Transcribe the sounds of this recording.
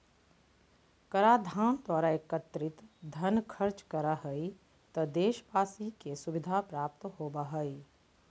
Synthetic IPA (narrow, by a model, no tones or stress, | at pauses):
kɐɾaːd̪ʱaːnd̪waːɾaekət̪ɾɪt̪d̪ʱɐnkʰəɾt͡ʃkɐɾaɦəi | t̪ɐd̪eːʃbaːsikesʊʋɪd̪ʱapɾaːpt̪ɦoːbaɦəi